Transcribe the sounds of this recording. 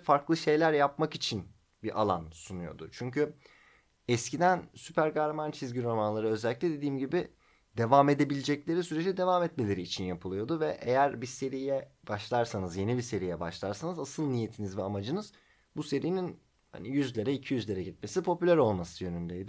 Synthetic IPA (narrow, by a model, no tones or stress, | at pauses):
faɾklˠɯʃe̞jlʲæɾjapmakit͡ʃʰin | biʔa̰lˠa̰nsunujo̞̰d̪ʊ̰t͡ʃʰyɲcy | ɛscid̪ænsypæɾɡaɾmant͡ʃʰizɡɟiɾo̞manlˠaɾɯø̞zɛælʲːiclʲɛd̪e̞d̪iːmɟibi | d̪e̞vaːme̞d̪e̞bilʲed͡ʒɛclʲe̞ɾisyɾed͡ʒɛd̪e̞vaːmɛt̪melʲe̞ɾiːt͡ʃʰinjapʰɯlˠɯjo̞d̪uvɛʔejæɾbise̞ɾijɛb̥aʃlˠaɾsanɯzje̞nibise̞ɾijɛba̰ʃlˠaɾsanɯzasɯlˠnije̞t̪ʰinizvɛamad͡ʒɯnɯz̥ | buse̞ɾijinin | ha̰nijyzlʲeɾɛicʰijyzlʲe̞ɾɛɟit̪̚me̞sipʰo̞pylʲæɾo̞lˠmasɯjø̞nynd̪ejd̪ɪ